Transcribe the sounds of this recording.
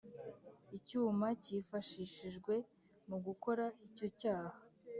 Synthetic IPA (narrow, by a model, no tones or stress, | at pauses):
icuːmacifaʃiʃiʒɡwe̞ | muɡuko̞ɾaico̞caːha